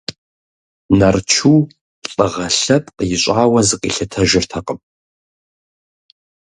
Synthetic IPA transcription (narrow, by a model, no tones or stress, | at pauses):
nɐrt͡ʃʰu | ɬʼɐʁɐɬɐpʼqʼjɪɕʷʼaːwɐzɨqʼiɬɨtʰɐʒɪrtʰɐqʼəpʼ